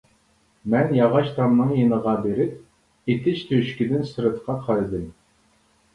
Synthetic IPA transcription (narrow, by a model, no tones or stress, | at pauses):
mɛnjɑʁɑʃt̪ʰɑmnɨŋjenəʁɑbeɾɪp̚ | et̪ʰɪt͡ʃt̪ʰøʃkʲid̪ɪnsɨɾɨt̪ʰqʰɑqʰɑɾɨd̪ɨm